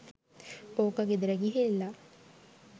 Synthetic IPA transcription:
poːkaɡed̪ɾeɡiɦelːa

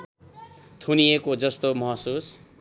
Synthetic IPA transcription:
t̪ʰunijekod͡zʌst̪omʌɦʌsus

